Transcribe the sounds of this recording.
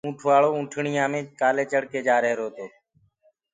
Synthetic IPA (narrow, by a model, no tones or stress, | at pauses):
ũːʈʰʋaːɭoːũːʈʰɳɪjãːmẽːkaːleːt͡ʃəɽkeːd͡ʒaːɾəɦɾoːt̪oː